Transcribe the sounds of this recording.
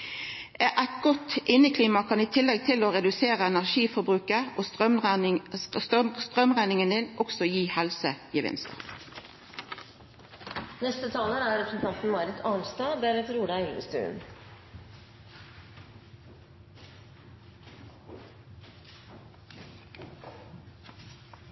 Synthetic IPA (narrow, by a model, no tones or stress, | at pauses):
ʔæɪt̪̚ɡɔt̪ʔɪnəkʰliːmɑkʰɑniːt̪ʰɪlːɛɡ̚t̪ʰɪloːʁɛd̪ʉseːʁəɛnæʁʃiːfɔbʁʉːkəʔoːsʁ | stst̪ʁœmʁæɪnɪŋənd̪ɪnʔɔksɔjiːhɛlsəjiʋɪ̰nsd̪ɑ̰ | nɛst̪ət̪ʰɑːləɾæːɾɾɛpɾn̩t̪ʰɑnt̪n̩mɑɾɪt̪ʰɑnst̪ɑːb̪æɾɛt̪ɾuːd̪ɑɛlə̰st̪ʉ̰ːn